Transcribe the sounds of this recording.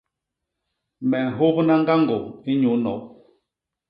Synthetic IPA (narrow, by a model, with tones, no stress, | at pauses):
mɛ˨n̩˨ɦo˦pna˦ŋ˦ɡa˦ŋɡo˨i˦ɲu˨˦nɔ̰˨˦